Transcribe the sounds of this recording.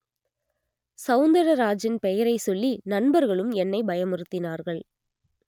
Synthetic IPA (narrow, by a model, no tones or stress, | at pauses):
sɐʊnd̪ɐɾɐɾaːd͡ʒɪnpɛjɐɾɐɪsɔlːinɐnbɐɾɣɐɭɯmɛnːɐɪbɐjɐmɯrɯt̪ːɪnaːɾɣɐɭ